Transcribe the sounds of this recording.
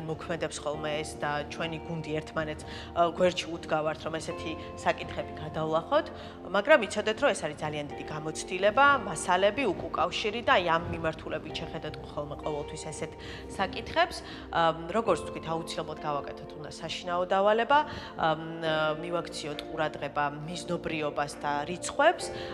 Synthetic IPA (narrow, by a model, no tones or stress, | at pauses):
mɔkʰmɛd̪ɛpsχɔlˠmɛːsd̪at͡ʃʰwɛniɡund̪iɛɾt̪ʰmanɛt̪sʰ | ɡwɛɾt͡ʃʰiud̪ɡavaɾt̪ʰɾɔmɛsɛt̪ʰi | sakʼit̪ʰχɛbiɡad̪avlˠaχɔt̪ʰ | maɡɾamit̪sʰɔd̪ɛt̪ʰɾɔmɛsaɾid̪zaliand̪id̪iɡamɔt̪sʰd̪̥ilɛbamasalɛbiukʼukʼafʃiɾid̪aːiamːimaɾt̪ʰulɛbit̪ʰʃɛχɛd̪at̪χɔlˠmɛqʼɔvɛlˠt̪ʰwisasɛt̪ʰ | sakʼit̪ʰχɛps | ɾɔɡɔɾt̪sʰt̪kwit̪ʰaut̪sʰilɛblˠad̪ɡavakʼɛt̪ʰɔt̪ʰund̪asaʃinaɔd̪avalɛba | mivakʰt̪sʰiɔt̪ʰqʼuɾad̪ʁɛbamiznɔbɾiɔbasd̪aɾit̪sʰχwɛps